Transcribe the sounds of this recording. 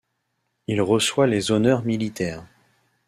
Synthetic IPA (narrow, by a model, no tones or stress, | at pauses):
ilʁəswalezɔnœʁmilit̪ɛːʁ